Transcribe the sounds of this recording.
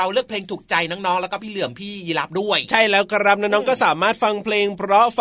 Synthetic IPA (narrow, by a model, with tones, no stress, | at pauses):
a˧wlɯ˥˩əpʰleː˧ŋt̪ʰuː˨˩k̚t͡ɕa˨˧jnɔː˦˥ŋnɔː˦˥ŋlɛː˦˥kɔː˥˩pʰiː˥˩ɯ˨˩əmpʰiː˥˩jiː˧˩la˦˥p̚du˥˩əjt͡ɕʰa˥˩jlɛː˦˥wka˧ɾa˦˥p̚naː˧˦˥nɔː˦˥ŋkɔː˥˩saː˩˦maː˥˩t̪̚fa˧ŋpʰleː˧ŋpʰɾɔ˦˥f